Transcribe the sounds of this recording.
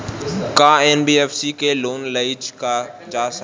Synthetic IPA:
kãːeːnbieːfsikeːloːnləid͡ʒkad͡ʒaːsə

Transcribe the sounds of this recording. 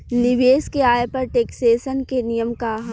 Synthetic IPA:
nɪʋeːskeaːjpɐɾʈeːkseːʃənkenijəmkaːɦ

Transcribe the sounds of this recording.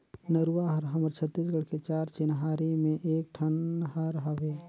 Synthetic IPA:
nəɾuwaɦəɾɦəməɾt͡ʃʰət̪ːiːsɡəɽket͡ʃaːɾt͡ʃɪnɦaɾimẽʔeːk̚ʈʰənhəɾɦəʋeː

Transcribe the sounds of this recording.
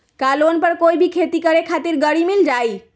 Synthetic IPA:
kalonpəɾkoibʱikʰet̪ikəɾekʰat̪iɾɡəɽimild͡ʒai

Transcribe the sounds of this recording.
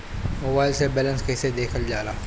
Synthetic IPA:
moːbaːɪlsebɛːlə̃nskɛːsed̪eːkʰəld͡ʒaːɾaː

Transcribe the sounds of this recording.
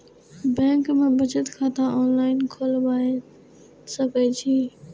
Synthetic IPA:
bɛ̃ːŋkmẽbɐd͡ʒət̪kʰãːt̪ãɔːnlaːɪnkʰoːlbaːe | sɐket͡ʃʰiː

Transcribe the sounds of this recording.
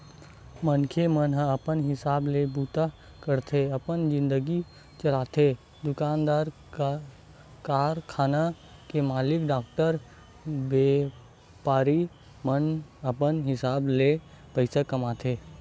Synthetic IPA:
mənkʰemənɦãəpənɦɪsaːblebuːt̪a | kəɾt̪ʰeɐpənd͡ʒɪ̃nd̪əɡi | t͡ʃɐlaːt̪ʰe | d̪ʊkaːnd̪aːɾ | kaːɾkʰaːna | kemaːlɪkɖaːkʈəɾ | beː | paːɾi | mənəpənɦɪsaːble | pəɪsakɐmaːt̪ʰeː

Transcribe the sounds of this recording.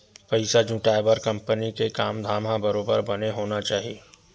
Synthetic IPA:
pɐɪsad͡ʒũːʈaːebəɾkɐ̃mpənikekaːmd̪ʱaːmɦãbɐɾoːbəɾbɐneɦoːnat͡ʃaːɦieː

